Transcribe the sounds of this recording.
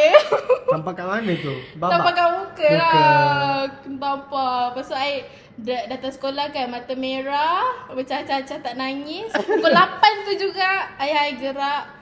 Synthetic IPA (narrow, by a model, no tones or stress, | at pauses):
ampakamanət̪ubaapakabukəa | ənt̪ampapasaaɪʔ | dədat̪asə̥kolahkanmat̪ameɾabət͡ʃat͡ʃat͡ʃat̪aʔnaŋisukəlapant̪ud͡ʒuɡaʔːjaiʔɡəɾaʔ